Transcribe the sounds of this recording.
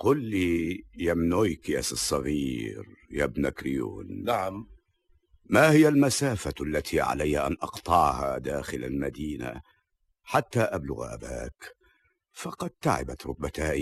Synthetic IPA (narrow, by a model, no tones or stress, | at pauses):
qʊlːijamnojkjasɨsˤːɑɣiːɾjabnakɾɪjṵːnnaʕam | mahɪjalmasaːfalːat̪ʰiʕa̰lajhaʔanʔɑqt̪ˤɑʕha̰d̪aːxɪla̰lmad̪iːna̰ | ħat̪ːaʔablʊ̰ɣʔa̰ba̰ːk | fɑqɑd̪̚t̪aʕɪ̰bat̪ɾˤʊt̚bat̪aːʔ